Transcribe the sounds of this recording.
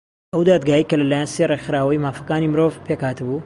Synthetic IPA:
ʔɐwd̪aːd̪ɡaːjəjkɐlɐlaːjanserexɨɾaːwɐjmaːfɐkaːnimɨɾovpʰekhaːt̪ɨbu

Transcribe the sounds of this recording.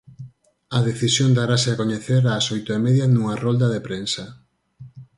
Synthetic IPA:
ɐðeθisjond̪aɾasɪakoɲeθeɾasojt̪ʊemɛðjɐnuŋɐrold̪ɐðepɾensɐ

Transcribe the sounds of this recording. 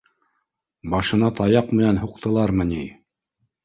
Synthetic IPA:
bɑʃɤ̆nɑt̪ɑjɑqmɘ̆nænhuqt̪ʰɤ̆lˠɑɾmɤ̆ni

